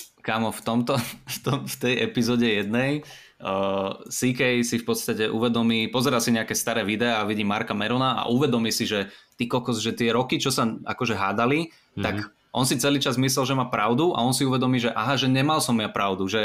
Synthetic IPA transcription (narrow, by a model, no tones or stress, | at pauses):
kaːmɔft̪ɔmt̪ɔft̪ɔmft̪ɛjʔɛpizɔɟɛjɛd̪nɛj | əːsikɛjsifpɔt̪st̪acɛʔṵʋɛd̪ɔmiːpɔzɛɾalsiɲɛakɛst̪aɾɛːʋid̪ɛaːʋiɟimaɾkamɛɾɔnaa̰ʔuʋɛd̪ɔmiːsiʒɛt̪ikɔkɔzʒɛt̪ɪɛɾɔkit͡ʃɔsaa̰kɔʒɛɦaːd̪ali | t̪ak | ʔɔnsit͡sɛliːt͡ʃazmis̬lɛlʒɛmaːpɾaʊd̪uʔa̰ɔnsiuʋɛd̪ɔmiːʒɛʔa̰ɦaʒɛɲɛmalsɔmjapɾaʊd̪uʒɛ